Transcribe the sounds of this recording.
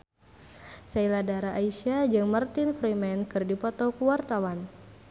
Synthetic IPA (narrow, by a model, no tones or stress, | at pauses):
sailadaɾaʔaiʃiad͡ʒɨŋmərt̪infɾimɛnkɨrdipɔt̪ɔkuwart̪awan